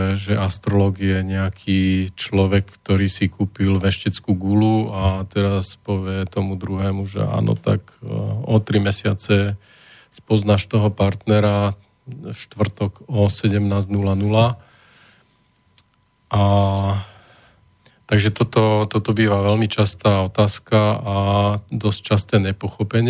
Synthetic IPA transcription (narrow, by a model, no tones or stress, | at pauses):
ɛʒɛʔast̪ɾɔlɔɡjɛɲɛakʰiːt͡ʃlɔʋɛkkt̪ɔɾiːsikuːpilʋɛʃcɛt͡skuːɡuluat̪ɛɾaspɔʋɪɛt̪ɔmud̪ɾuɦɛːmuʒɛ̰a̰ːnɔ̰t̪a̰kɔt̪ɾimɛsɪat͡sɛ | spɔznaʃt̪ɔɦɔpaɾt̪nɛɾa | ʃt̪ʋr̩t̪ɔkɔsɛɟɛmnaːznulanula | ʔa | t̪aɡʒɛt̪ɔt̪ɔt̪ɔt̪ɔbiːʋaʋɛlmit͡ʃast̪aːɔt̪aːskaad̪ɔs̚t͡ʃast̪ɛːɲɛpɔxɔpɛɲɪ